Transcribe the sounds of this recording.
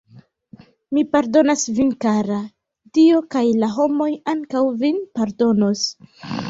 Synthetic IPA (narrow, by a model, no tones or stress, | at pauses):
mipaɾdo̞nasvinkaɾa | diokajlaɦo̞mo̞jaŋkawvinpaɾdo̞no̞s